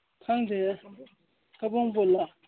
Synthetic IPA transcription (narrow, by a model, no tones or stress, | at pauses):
kʰaŋd̪e | kapoŋpola